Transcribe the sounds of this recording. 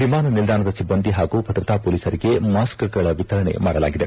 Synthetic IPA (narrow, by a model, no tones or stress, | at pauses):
ʋimaːnɐnild̪ʱaːɳɐd̪ɐsibːɐnd̪ʱiɦaːɡuːpɐt̪ɾit̪aːpoːliːsɐɾiɡe̞maːskɡɐɭɐʋit̪ɐɾɐɳḛmaːɽɐla̰ːɡid̪e̞